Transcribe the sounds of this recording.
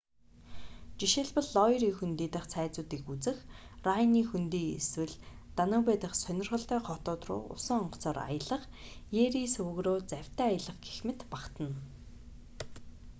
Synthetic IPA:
t͡ɕiʃɪ̆ɮpə̆ɮːɔjɾiːŋxunt̪iːt̪ə̆χt͡sʰæːt͡sʊːt̪iːxut͡sɘ̆xrajniːxunt̪iːḛswɘ̆ɮt̪anʊːpæːt̪ə̆χsœnʲɪ̆rʁə̆ɬt̪æːχɔt̪ʊːt̪rʊ̰ːʔʊ̰sə̆ŋɔɴɢɞ̥̆t͡sɔːra̰jə̆ɮə̆χ | jeɾisɵɣroːt͡sæw̥ʲt̪æːajə̆ɮə̆χɡe̥xmɘ̆t̪paqt̪ə̆n

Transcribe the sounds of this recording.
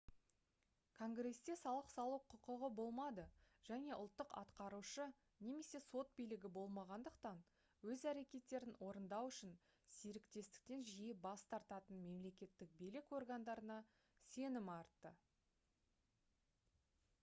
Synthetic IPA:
kʰo̞ŋɡre̞st̪e̞sɑlˠəqsɑlˠuqʰʊqəʁəbo̞lˠmɑd̪ə | ʒ̥æne̞ʔʊ̰lˠt̪ːəqɑ̰t̪qɑɾuʃə | ne̞me̞se̞so̞t̪̚bijlɪɡʲɪbo̞lˠmɑʁɑnd̪əqt̪ɑn | wɵzæɾe̞kʲe̞t̪ːe̞ɾɪnwo̞ɾənd̪ɑwʏʃɪn | seɾɪkt̪e̞st̪ɪ̥k̚t̪e̞nʒijɪbɑst̪ɑɾt̪ɑt̪ənme̞mle̞kʲe̞t̪ːɪk̚belɪko̞rɡand̪ɑɾənɑ | se̞nɪmɑɾt̪ːə

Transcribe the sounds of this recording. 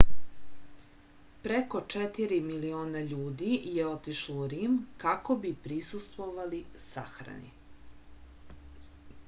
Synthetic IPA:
pɾeko̞t͡ʃet̪iɾimilioːnaʎuːd̪ijeo̞t̪iʃlouɾiːmkako̞bipɾisust̪ʋo̞ʋalisa̰xɾa̰nḭ

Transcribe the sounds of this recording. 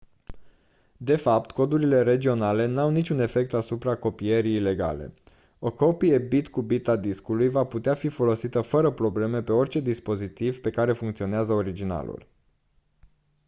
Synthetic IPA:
d̪e̞fap̚t̪ko̞d̪uɾile̞ɾe̞d͡ʒio̞nale̞nawnit͡ʃʲune̞fe̞k̚t̪asupɾako̞pije̞ɾiːle̞ɡa̰le̞̰ | o̞ko̞pijebit̪kubit̪ad̪iskulujvaput̪eafifo̞lo̞sit̪əfəɾəpɾo̞ble̞me̞pe̞o̞rʲt͡ʃe̞d̪ispo̞zit̪ivpe̞kaɾe̞fuŋkt̪sio̞neazəo̞ɾid͡ʒina̰lṵl

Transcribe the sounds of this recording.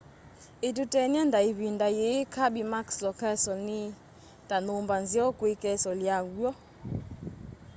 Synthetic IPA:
et̬utɛnandaiβindajekʰabimakslɔkɛsɔni | tanombanzjɔkwekɛsɔljaɡwɔ

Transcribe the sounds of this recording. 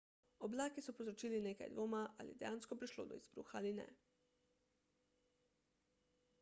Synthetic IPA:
ɔblaːkisɔpozɾɔt͡ʃiːlineːka̰jd̪ʋoːmaʔa̰lḭɛd̪ɛjaːnskɔpɾiʃlo̰ːd̪ɔ̰ḭz̥bɾṵxaalinɛ̰

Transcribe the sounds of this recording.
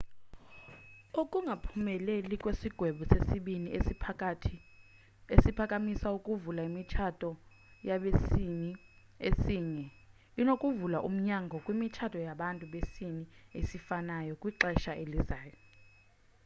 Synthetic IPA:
ukʼuŋɡʱapʰumɛlelikʼwesiɡ̥ʱwɛɓusesiɓini | esipʰakʼamisaukʼuvulaimit͡ʃʰatʼɔ | jaɓesii | esiːɲɛ | inokʼuvulaʔum̩ɲaŋɡʱɔkʼwimit͡ʃʰatʰʼɔjaɓantʼuɓesiniesifanajɔkʼwiǃɛʃaʔelizaːjɔ

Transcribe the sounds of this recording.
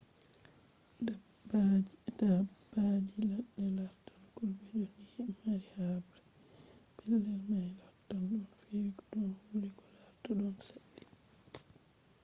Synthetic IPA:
bdabad͡ʒilaɗːɛlaɾtankulbɛd͡ʒonihimːaɾihabɾɛ | pɛlːɛlmajlɔtːanɗunfiɾikɔɗɔnhuɾikɔlaɾtɔɗɔnsaɗːi̥

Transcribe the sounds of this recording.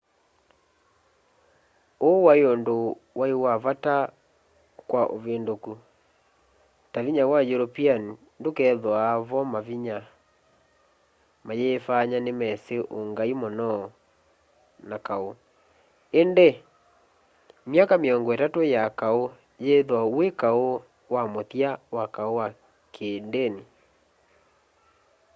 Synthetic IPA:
owaeondowaewaβata | kwaʔo̰βeːndoku | taviɲawajoɾopian | ndokɛðwaːβɔmaviɲa | majeːfaɲanemɛseʔoŋɡaimɔnɔ | nakao | ende | mjakameɔŋɡɔɛtatojakao | jeðwawekao | wamoθjawakaowa | kʰeːndeni

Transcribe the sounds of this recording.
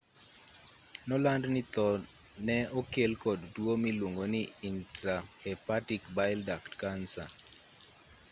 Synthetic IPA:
nɔlandnɪt̪ɔ | nɛokelkɔddwomilwoŋɡonɪintɾahɛpatikbaɪldaktkansa̰

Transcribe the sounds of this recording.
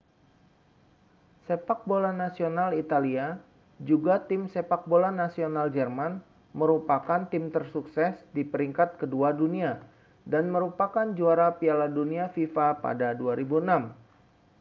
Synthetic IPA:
sepak̚bolanasionalit̪alia | d͡ʒuɡat̪ɪmsepak̚bolanasionald͡ʒɛrman | məɾupakant̪ɪmt̪ərsuksɛsdipəɾiŋkat̪̚kəduadunia | danməɾupakand͡ʒuaɾapialaduniafifapa̰daduaɾibuənam

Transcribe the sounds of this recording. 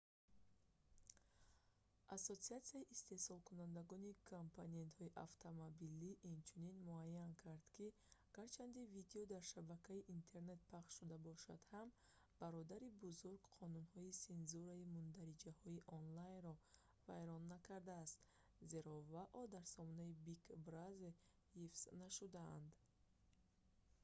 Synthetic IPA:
ʔasot̪siat̪siaiʔist̪e̞sɔlˠkʰunand̪aɡɔnikʰompʰone̞nt̪hɔiʔa̰ft̪ʰomobiliʔːnt͡ʃʰuninmuajːankʰaɾd̪̥kʰi | aɡ̥aɾt͡ʃʰand̪ivid̪eɔd̪aɾʃabakʰaiʔint̪ʰe̞ɾne̞t̪̚pʰaχʃːud̪abɔʃa̰d̪̥ham | b̥aɾɔd̪aɾibuzuɾɡqʰɔnunhɔisenzuɾaimund̪aɾid͡ʒahɔiʔɔnlajnɾɔ | vajɾɔnːakʰaɾd̪aːst̪ | ze̞ɾɔvaʔɔd̪aɾsɔmɔnaibikʰbɾaze | hifz̥naʃud̪aand̪

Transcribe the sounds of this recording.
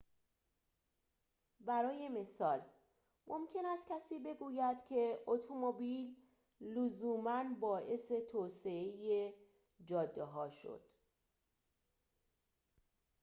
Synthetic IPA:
bæɾɒːje̞me̞sɒːl | mʔomcʰe̞næst̪̚cʲʰæsiːbe̞ɡuːjæd̪̥cʰe̞ot̪ʰomobilː | ozuːmænbɒːʔese̞t̪ʰoːse̞eje | d͡ʒɒːd̪ːeɦɒːʃo̞̰d̪̥

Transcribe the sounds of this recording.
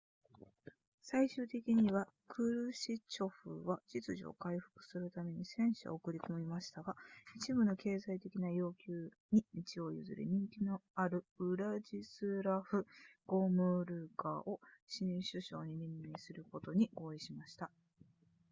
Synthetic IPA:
saiɕɨːt̪e̞kʲiɲ̟iβa | kʰɯ̟ɾɯ̟ɕit͡ɕo̞ɸɯ̰βad͡ʑit͡sɨʑḭo̰kaiɸɯ̟̥kɯ̟̥sɨɾɯ̟t̪ame̞ɲ̟isẽ̞ɰ̃ɕḭokɯ̟ɾʲiko̞mʲimaɕi̥t̪aɡait͡ɕibɯ̟no̞ke̞ːzait̪e̞kʲinajo̞ːkʲɨː | ɲ̟imʲit͡ɕio̞jɯ̰zɨ̰ɾḛɲ̟ĩŋkʲino̞aɾɯ̟ɯɾad͡ʑisɨɾaɸɯ̟ɡ̥o̞ːmɯ̟ɾɯ̟ːkaːʔo̞ɕiɲɕɨɕo̞̰ːɲ̟inʲĩmːeːsɨɾɯ̟ko̞t̪o̞ɲ̟iʔo̞ːiɕimaɕi̥t̪a

